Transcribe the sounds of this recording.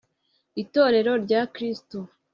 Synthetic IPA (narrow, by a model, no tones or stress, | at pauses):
ito̞ːɾe̞ɾo̞ɾɟakɾisto